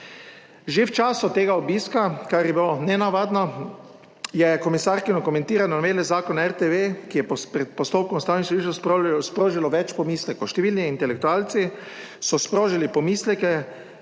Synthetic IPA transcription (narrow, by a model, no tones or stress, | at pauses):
ʒewt͡ʃaːsʊt̪eːɡaɔbiːskakaɾjɛbilonɛnaʋaːd̪nɔ | jɛkɔmisaɾkinɔkɔmɛ̃nt̪iːɾanɔnmeːlɛzaːkɔnɛɾt̪eʋekijɛppɾɛt̪̚pɔst̪oːpkɔmst̪awnisiʒosspɾoːʒilɔʋɛt͡ʃpɔmiːslɛkowʃt̪ɛʋiːlniint̪ɛlɛk̚t̪uaːlt̪si | sɔspɾoːʒilipɔmiːslɛkɛ